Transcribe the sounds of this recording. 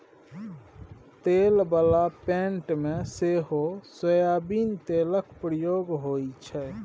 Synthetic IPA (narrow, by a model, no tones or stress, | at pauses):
t̪eːlbəlaːpẽːɳʈmẽseːɦoswəjaːbiːnt̪eːləkʰpɾəjoːɡɦoːit͡ʃʰɛ